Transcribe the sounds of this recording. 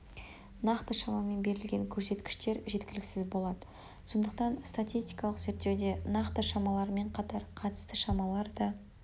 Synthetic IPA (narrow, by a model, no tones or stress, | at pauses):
nɑqt̪əʃɑmɑme̞nbe̞ɾɪlɡʲe̞ŋkʲʰɵɾse̞t̪kʲɪ̥ʃt̪e̞ɾʒe̞t̪kʲɪlɪksɪzbo̞lˠɑd̪ə̥ | so̞nd̪əqt̪ɑnst̪at̪ʲist̪ʲijkɑlˠəqze̞ɾt̪ːe̞wd̪e̞nɑqt̪əʃɑmɑlˠɑɾme̞ɴqʰɑt̪ɑɾqʰɑt̪ə̥st̪əʃɑmɑlˠɑɾd̪ɑ